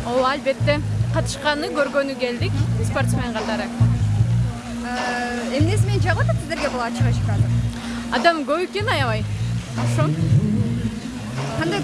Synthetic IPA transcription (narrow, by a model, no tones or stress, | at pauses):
owalbe̞t̪ːe̞qʰɑt̪ɯ̥ʃqɑnɯɡø̞ɾɡø̞nyɡe̞ld̪ikspo̞rt̪smʲeɴqɑt̪ɑɾɯ | emne̞s̬imeend͡ʒʰɑʁlˠɑt̪̬ɑt̪sizd̪eɾɡʲebulˠɑt͡ʃɨʁɑt͡ʃkɑd̪ə | ɑ̰d̪ɑmɡøβekenɑjɑvɑjoʃo | qʰɑnd̪aj